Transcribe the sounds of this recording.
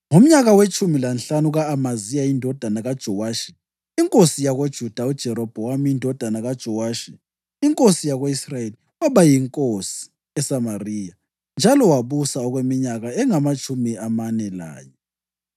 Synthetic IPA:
ŋum̩ɲaɣawet͡ʃʼumilanɬanuɣaːmazijaindʱɔd̥ʱanaɣad̥ʒ̥ʱɔwaːʃi̥ | iŋkʼosijaɣod̥ʒ̥ʱud̥ʱaud̥ʒ̥ʱɛɾɔb̥ʱɔwamiindʱɔd̥ʱanaɣad̥ʒ̥ʱɔwaːʃi | iŋkʼosijaɣoisrajeli | waβajiŋkʼosi̥ | ɛsamariːja | nd͡ʒʱalɔwaβusaɔɣwemiɲaɣaɛŋamat͡ʃʼumiamanɛla̰ːjɔ

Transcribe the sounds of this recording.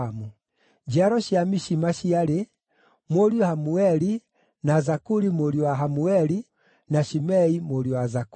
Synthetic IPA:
mu | d͡ʒiaɾɔʃiamiʃimaʃiaɾe | mwoɾiahamuɛɾi | nazakuɾimoɾiwaɦamuɛɾi | naʃimɛimoɾiwazak

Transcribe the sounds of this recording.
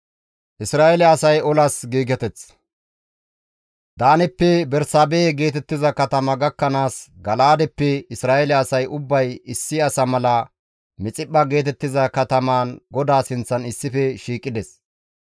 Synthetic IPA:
ʔɪsɾaːɛlɛɐsɐjɔlɐsɡiːɡɛt̪ɛt͡s | d̪aːnɛpːɛbɛɾsaːbeːɡe̞ːt̪ɛt̪ːɪzɐkɐt̪ɐmɐɡɐkːɐnaːsɡɐlaːd̪ɛpːɛɪsɾaːɛlɛɐsɐjʔʊbːɐjɪsːɪɐsɐmɐlɐ | mɪt͡sʼɪpːɐɡe̞ːt̪ɛt̪ːɪzɐkɐt̪ɐmaːnɡɔd̪aːsɪnt͡sːɐnɪsːɪfɛʃiːkʼːɪd̪ɛs

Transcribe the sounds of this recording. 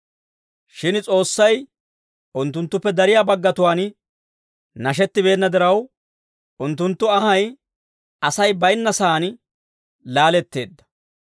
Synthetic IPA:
ʃɪnt͡sʼo̞ːsːɐj | ʔʊnt̪ːʊnt̪ːʊpːɛd̪ɐɾɪjaːbɐɡːɐt̪ʊwaːn | nɐʃ̬ɛt̪ːɪbe̞ːnːɐd̪ɪɾɐw | ʔʊnt̪ːʊnt̪ːʊɐɦɐj | ɐsɐjbɐjnːɐsaːn | laːlɛt̪ːe̞̰ːd̪ːɐ̥

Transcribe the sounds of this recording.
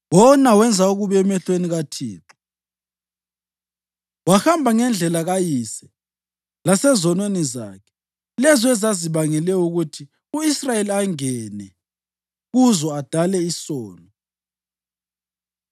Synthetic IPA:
wɔnawɛnd͡zʱauɣuβɛɛmɛɬweniɣatʰḭːǁɔ̥ | waxambʱaŋɛnd͡ɮʱɛlaɣajisɛ | lasɛzɔnweniza̰ːkʰɛ̥ | lɛzɔɛzaziβaŋɛlɛuɣutʰi | uisrajeliaŋɛnɛ | ɣuzɔad̥ʱalɛisɔːnɔ

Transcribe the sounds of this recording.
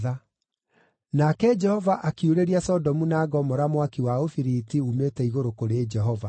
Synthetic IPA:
a | nakɛd͡ʒɛhɔvaʔakiuɾeɾiasɔdɔmunaːɡɔmɔɾamwakiwaofiɾitiumetɛiɣoɾokoɾed͡ʒɛɦɔva

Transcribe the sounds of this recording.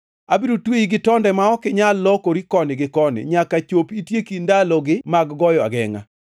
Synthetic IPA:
abiɾotweiɡɪtɔndɛmaɔkɪɲalːɔkoɾikɔnɪɡɪkɔnɪ̰ɲakat͡ʃopitjekindalɔɡɪmaɡɡɔjɔa̰ɡɛŋa̰

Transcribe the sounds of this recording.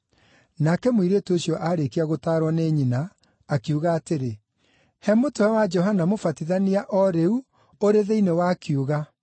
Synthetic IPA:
nakɛmwiɾetoɕjɔʔaɾekiaɣotaːɾwɔneɲinaː | kiuɣaːteɾe | hɛmotowɛwad͡ʒɔɦanamofatiðaniaʔɔɾeu | oɾeðeinewaːkiuɣa

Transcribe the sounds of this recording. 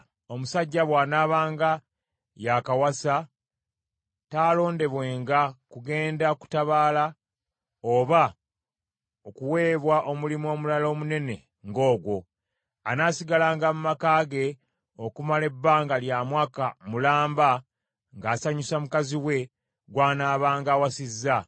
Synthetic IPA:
o̞musaɟːaβwaːnaːβaːŋɡa | jakawasa | taːlo̞ːnde̞βwe̞ːŋɡakuɡe̞ːndaku̥taβaːla | oβa | okuwe̞ːβwaʔo̞mulimo̞ːmulalo̞ːmune̞ne̞ | ŋɡo̞ːɡwo̞ | anaːsiɡalaːŋɡamumakaːɡe̞ | o̞kumale̞bːaːŋɡaljaːmwaːkamulaːmba | ŋɡaːsaɲusamukaziwe̞ | ɡwaːnaːβaːŋɡaːwasizːa

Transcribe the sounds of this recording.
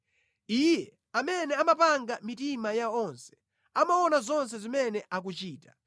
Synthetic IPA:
iːjɛ | amɛnɛamapaŋɡamitimajaɔnsɛ̥ | amawɔnazɔns̬ɛzimɛnɛʔak̬ut͡ʃiːtḁ

